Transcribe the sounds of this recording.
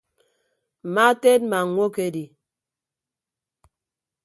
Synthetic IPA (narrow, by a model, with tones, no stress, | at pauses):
m̩˨ma˦te˦t̚ma˨ŋ˨˦ŋʷo˦ke˨di˨